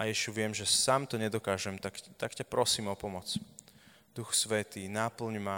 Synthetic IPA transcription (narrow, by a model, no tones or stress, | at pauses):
ʔajɛʃuʋɪɛmʒɛsaːmt̪ɔɲɛd̪ɔkaːʒɛmt̪akt̪akcapɾɔsiːmɔpɔmɔt͡s | d̪̥uxsʋɛt̪iːnapl̩ɲma